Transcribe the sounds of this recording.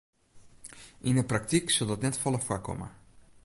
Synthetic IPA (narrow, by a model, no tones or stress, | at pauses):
ʔɪnəprak̚tiksəlˠdɔtnɛtfɔləfwakːɔ̰mə̰